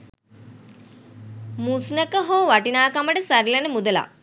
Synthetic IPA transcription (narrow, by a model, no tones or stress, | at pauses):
musnəkəɦoːʋaʈinaːkaməʈəsaɾilɐnəmud̪əla̰